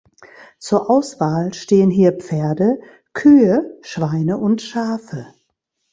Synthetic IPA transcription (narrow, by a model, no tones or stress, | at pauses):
t͡suːɐʔaʊsv̥aːlʃteːənɦiːɐp͡feːɐdə | kʰyːəʃv̥aɪnəʔʊntʃaːfə